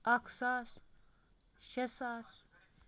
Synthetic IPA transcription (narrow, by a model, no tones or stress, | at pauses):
ɐkʰsaːs | ʃesaːs